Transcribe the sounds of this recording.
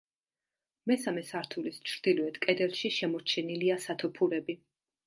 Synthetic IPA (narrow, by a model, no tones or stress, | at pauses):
mɛsamɛsaɾt̪ʰulist͡ʃʰɾd̪̥ilɔɛt̪kʼɛd̪ɛlˠʃiʃɛmɔɾt͡ʃʰɛniliasat̪ʰɔpʰuɾɛbi